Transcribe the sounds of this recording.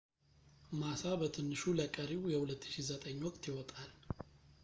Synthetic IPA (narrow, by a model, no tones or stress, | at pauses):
masabət̪ʰɨnːɨʃuləkʼəɾijɛhulət̪ːɨ̥ʃizət̪ʼəɲːwɔkʼt̪jɪwɔt̪ʼal